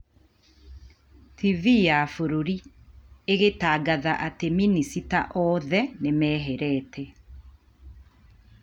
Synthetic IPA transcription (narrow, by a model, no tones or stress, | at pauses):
tʰivijafoɾoɾi | eɣetaːɡaðaʔateminisitaʔɔðɛnemɛːɦɛɾɛːtʰɛ